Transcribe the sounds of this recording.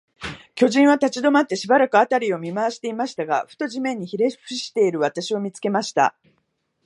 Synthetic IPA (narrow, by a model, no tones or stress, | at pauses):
kʲo̞ʑĩɰ̃β̞at̪at͡ɕid̪o̞mat̪ːe̞ɕibaɾakɯ̟at̪aɾʲio̞mʲimaaɕi̥t̪e̞imaɕi̥t̪aɡa̰ɸɯ̟̥t̪o̞ʑimẽ̞ɲ̟ːiçiɾe̞ɸɯ̟ɕi̥t̪e̞iɾɯ̟βat̪aɕio̞mʲit͡sɨ̥ke̞maɕi̥t̪a̰